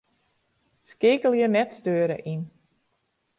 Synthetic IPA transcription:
skɪkəlˠjənɛtstøːɾə̰ʔin

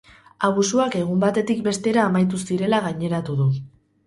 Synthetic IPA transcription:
aβusuake̞ɣ̞umbat̪e̞t̪ik̚be̞st̪e̞ɾaːmajt̪̬usiɾe̞laɣaɲe̞ɾat̪uðu

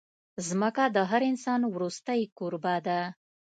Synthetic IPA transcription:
zməkad̪əɦaɾɪnsɑnwɾust̪əjkuɾbad̪a

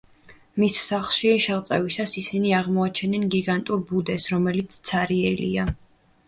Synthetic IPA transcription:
misːaχlˠʃiʃɛʁt̪sʼɛvisasisiniaʁmɔat͡ʃʰɛnɛnɡiɡant̪ʼuɾbud̪ɛsɾɔmɛlit̪sʰt̪sʰaɾiɛlḭa

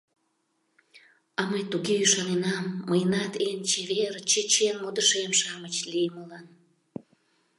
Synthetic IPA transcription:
ɑməjt̪uɣeyʃɑnenɑmːəjənɑt̪ent͡ɕeβeɾt͡ɕət͡ɕenmod̪əʃemʃɑmət͡ɕlijəməlɑn

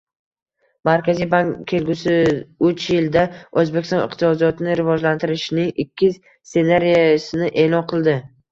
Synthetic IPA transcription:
maɾkʲazijbaŋʲʰːe̞lɡʲʊsɪʊt͡ʃjɪld̪aɵzbe̞kʲɪst̪ɒnɪ̰qt̪ʰɪsɒd̪ijɒt̪ʰɪnɪɾɪvɒd͡ʒlant̪ʰɪɾɪʃnɪŋɪkʲʰːɪ | se̞naɾijasɪnɪʔe̞ːlɒnqʰɨlˠd̪ɪ

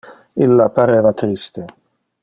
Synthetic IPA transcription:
ilːapaɾeːvat̪ɾist̪e

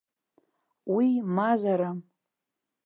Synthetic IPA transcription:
wimazaɾam

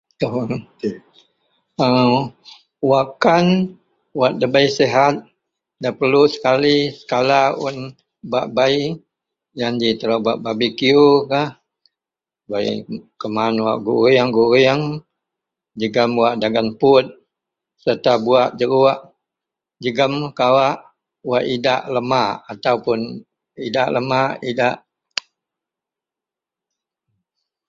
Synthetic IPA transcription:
t̪oŋ | ə | wakan | waʔ̪̚dəbaiseɦat̪̚ | dapərlusə̥kalisə̥kalaun | baʔbai | jandit̪əɾabaʔ̚babikiukah | baḭkəmanwa̰ʔɡuɾiəŋɡuɾiəŋ | d͡ʒəɡəmwaʔdaɡanpʊt̪̚ | sərt̪abuaʔd͡ʒəɡuaʔ | d͡ʒəɡəmkawaʔ | waʔidaʔləmaʔat̪aupʊn | idaʔləmaʔidaʔ

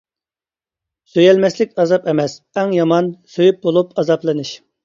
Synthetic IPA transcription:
søjɛlmɛslɪkʲɑzɑpɛmɛs | ɛŋjɑmɑnsøjyp̚bolˠupʰɑzɑplˠɨnɨʃ

